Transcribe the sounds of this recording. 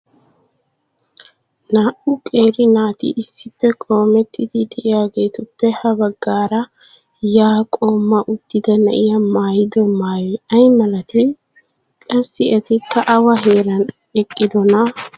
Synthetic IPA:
naːʔʊkʼe̞ːɾɪnaːt̪ɪ̰ʔɪsːɪpːɛkʼo̞ːmɛt̪ːɪd̪ɪd̪ɛʔɪjaːɡe̞ːt̪ʊpːɛhɐbɐɡːaːɾɐ | jaːkʼo̞ːmːɐʔʊd̪̥ːɪd̪ɐnɐʔɪjɐmaːjɪd̪ɔmaːjiɐjmɐlɐt̪ɪ | kʼɐsːɪɐt̪ɪkːɐʔɐwɐɦeːɾɐn | ɛkʼːɪd̪ɔnɐ

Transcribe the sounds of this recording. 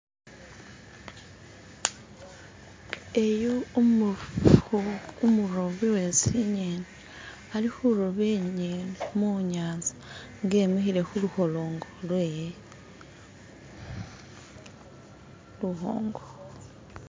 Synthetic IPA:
ejo | umuɾoβiwe̞siɲeːne | alixuɾoβeɲeːnemuɲaːnzḁ | ŋɡe̞ːmexiɾe̞xuluho̞loːŋɡolwe | luho̰ːŋɡo

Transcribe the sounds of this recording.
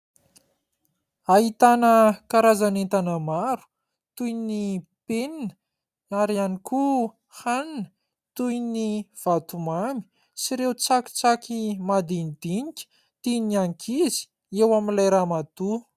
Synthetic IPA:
aɦit̪anəkaɾazanent̪anəmaɾu̥ | t̪ujnipeninə̥ | aɾianiku | haninə̥ | t̪ujniv̥at̪umami̥ | siɾewt͡saki̥t͡sakimad̪inid̪̥iŋikʲə̥ | t̪iniaŋkʰizi̥ | ewaminlajɾamat̪u

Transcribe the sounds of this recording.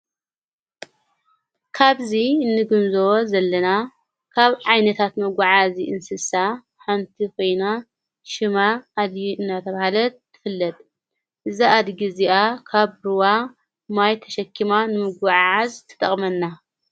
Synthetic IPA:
kʰaβziɨnːɨɡɨmzowozɐlːɐna | kʰaβʕajnɐt̪ʰat̪mɐɡʷaʕaziʔɨnsɨsa | ħamt̪ʰikʰo̞jna | ʃɨmaːd̪jiɨnːat̪ʰɐβahalɐt̪ʰːɨ̥fɨlːɐt̪ʼ | ʔɨzaʔad̪ɡiziakʰaβɾɨwa | majt̪ʰɐ̥ʃɐkʰːimanɨmɨɡʷaʕʕazt̪ʰɨ̥t̪ʼɐχʼmɐnːa

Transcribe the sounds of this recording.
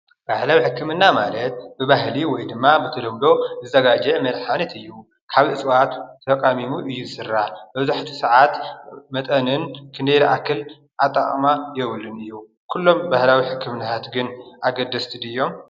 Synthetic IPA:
b̥ahlawiħɨkːɨmɨnːamalɐt̪̚bɨβaɦliwɔjd̪ɨmːabɨt̪ʰɐd̪ɐmd̪o̞zɨzɐɡad͡ʒɐmɐlħanɐt̪ɨjːu | kʰaβɨt͡sʼɨwat̪ʰːɐkʼamimuʔɨjːuzɨsɨrːabɐβzaħt̪ʰu̥sɐʕat̪mɐt̪ʼɐnɨnkʰɨnd̪eɾiʔakːɨl | ʔat̪ʼːa̰χʼmajɛβɨlːɨnɨjːu | kʰulːo̞mbahlawiħɨkːɨmɨnat̪ʰat̪ɡɨnʔaɡɐd̪ːɐst̪ʰid̪ɨjːo̞m

